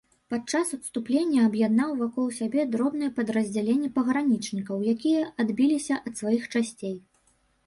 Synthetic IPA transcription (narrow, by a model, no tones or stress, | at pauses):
pat͡ʂasut̪st̪uplʲenʲːɐɐbjad̪nawvakɔlˠsʲabʲɛd̪ɾɔbn̪ɨjɛpɐd̪rɐzʲd͡zʲalʲenʲːɛpɐɣɾanʲit͡ʂnʲikɐwjakʲijɐad̪bʲilʲisʲɐʔɐt̪svajixt͡ʂasʲt͡sʲej